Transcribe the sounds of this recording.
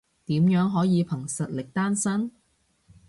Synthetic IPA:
t̪iː˨˥mjœː˨˥ŋɦɔː˨˥jiː˨˧pʰɐ˨˩ŋsɐ˨t̚lɪ˨k̚t̪aː˥nsɐ˥n

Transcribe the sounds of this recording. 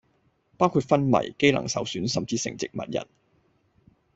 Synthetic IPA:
paː˥wkʰuː˧t̚fɐ˥nmɐ̰˨˩jke˥jlɐ̰˨˩ŋsɐ˨wsyː˨˥nsɐ˨mt͡siː˨sɪ˨ŋt͡sɪ˨k̚mɐ̰˨t̚jɐ̰˨˩n

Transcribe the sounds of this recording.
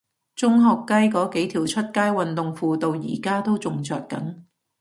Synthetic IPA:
t͡sʊ˥ŋɦɔː˨˧kːɐ˥jkɔː˨˥ke˨˥jt̪ʰiː˨˩wt͡ʃʰɵ˥t̚kaː˥jwɐ˨nt̪ʊ˨ŋfuː˧t̪o˧wjḭː˨˩kaː˥t̪o˥wt͡sʊ˨˧ŋt͡sœː˧t̚kɐ̰˨˥n

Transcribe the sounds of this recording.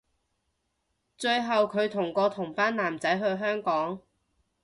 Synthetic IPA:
t͡ʃɵ˧ɥɦɐ˨wkʰɵ˨˧ɥt̪ʰʊ˨˩ŋkɔː˧t̪ʰʊ˨˩ŋfaː˥nlaː˨˩mt͡sɐ˨˥jɦɵ˧ɥɦœː˥ŋkɔː˨˥ŋ

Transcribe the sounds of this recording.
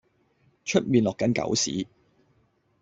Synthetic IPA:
t͡ʃʰɵ˥t̚miː˨nlɔː˨˩kːɐ˨˥nkɐ̰˨˥wsḭː˨˥

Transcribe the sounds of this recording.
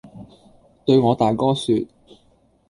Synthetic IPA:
t̪ɵ˧ɥŋɔː˨˧t̪aː˨˩jkɔː˥syː˧t̚

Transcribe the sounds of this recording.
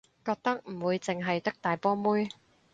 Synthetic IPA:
kɔː˧k̚t̪ɐ˥k̚m̩˨˩wuː˨˧jt͡sɪ˨ŋɦɐ˨jt̪ɐ˥k̚t̪aː˨jpɔː˥muː˥j

